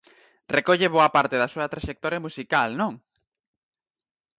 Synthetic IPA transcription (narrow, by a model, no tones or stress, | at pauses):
rekoʎeβoɐpaɾt̪eðɐsuɐt̪ɾaʃek̚t̪ɔɾjɐmusikalnõŋ